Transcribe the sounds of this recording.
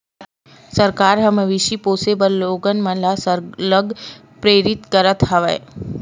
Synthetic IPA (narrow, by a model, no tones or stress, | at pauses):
səɾkaːɾɦɐmeʋɪʃipoːsebəlːoːɡənmə̃nlasələɡ | pɾeːɾɪt̪kəɾət̪ɦɐʋḛː